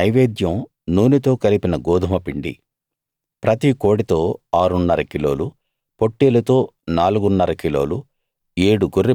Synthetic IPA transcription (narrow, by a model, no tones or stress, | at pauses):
nɐjʋeːd̪jɐm | nuːnit̪o̞ːkɐlipinɐɡɔːd̪ʱɐmɐpiɳɖḭ | pɾɐt̪iko̞ːɽit̪o̞ːaːɾunːɐɾɐkilo̞̰ːlu | poʈːeːlɐt̪o̞ːnaːluɡunːɐɾɐkilo̞ːlu | eːɽuɡurːi